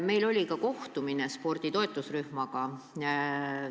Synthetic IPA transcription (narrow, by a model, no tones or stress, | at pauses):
me̞jlo̞lʲikɑko̞ht̪uminespo̞rd̪̥it̪o̞e̞t̪ˑːusryhmɑɡɑ